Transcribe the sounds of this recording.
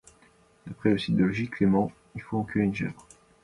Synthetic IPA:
d̪̥apχɛləsid̪əlɔʒiklemɑ̃ | ilfoɑ̃kɥyeynʒɛ̰vʁ

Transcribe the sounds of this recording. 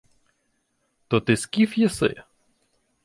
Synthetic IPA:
t̪ɔt̪ɪskʲifjɛsɪ̰

